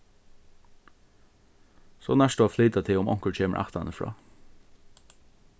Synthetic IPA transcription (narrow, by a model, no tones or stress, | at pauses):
soːnæʂt̪oafliːt̪at̪ʰɪʊmɔ̰ŋ̥kəɹcʰeːmə̰ʔa̰ht̪anəfɹɑ̰ː